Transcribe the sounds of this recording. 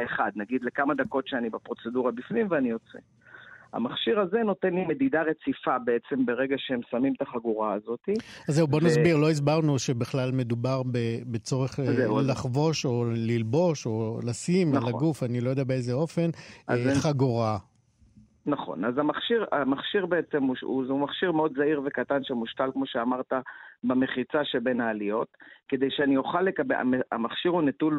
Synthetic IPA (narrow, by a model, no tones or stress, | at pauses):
eχad̪̚naɡid̪le̞kamad̪ako̞tʃeanibapʁo̞t͡se̞duʁabifnimveanijot͡sḛ | a̰maχʃiʁazeno̞t̪enlime̞d̪id̪aʁe̞t͡sifabeet͡sembe̞ʁeɡaʃehemsamimt̪aχaɡuʁaːzo̞t̪iazzːeubo̞nazbiʁlo̞izbaʁnuʃebiχlalme̞d̪ubaʁbebet͡so̞ʁeχzelaχvo̞ʃo̞lilbo̞ʃo̞lasimlaɡufanilojodabeezeo̞fe̞nχaɡoʁa | naχo̞̰nazamaχʃiʁamaχʃiʁbeet͡se̞muṵumaχʃiʁmeo̞d̪zaiʁvekat̪anʃemuʃtalkmo̞ʃeamaʁt̪abemeχit͡saʃebenaːlio̞t̪ked̪ejʃeanijoχalːekabea̰ea̰maχʃiʁunetul